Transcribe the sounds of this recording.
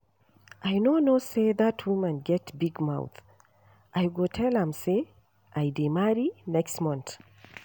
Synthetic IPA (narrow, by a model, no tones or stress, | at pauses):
ʔajnonoseðatʰwumə̃nɡɛtbiɡma̰ʊθ | ʔajɡotʰɛlə̃mse | ʔajdemaɹinɛkstmɔ̃nθ